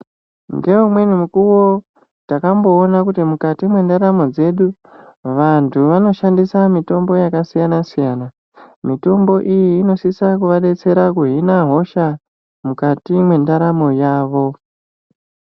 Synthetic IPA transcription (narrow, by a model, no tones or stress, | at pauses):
ŋɡe̞umwe̞nimukuwo̞ | takambo̞ːnakutimukatimwe̞ndaɾamo̞d͡ze̞ɗu | ʋantʰuʋano̞ʃandisamito̞mbo̞jakasijanasijana | mito̞mbo̞ʔijiːno̞sisakuʋaɗe̞t͡se̞ɾakuɦinaɦo̞ʃa | mukatimwe̞ndaɾamo̞jaːʋo̞